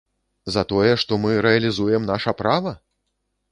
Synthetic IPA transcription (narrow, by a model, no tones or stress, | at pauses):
zɐt̪ɔjɛʂt̪ɔmɨɾɛɐlʲizujɛmnaʂɐpɾavɐ